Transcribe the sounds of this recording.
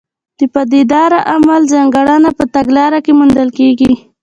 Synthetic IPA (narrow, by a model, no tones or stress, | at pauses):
d̪̥əpad̪ed̪ɑɾaʔamalzaŋɡaɽanapət̪aɡlɑɾakemund̪əlkeɡi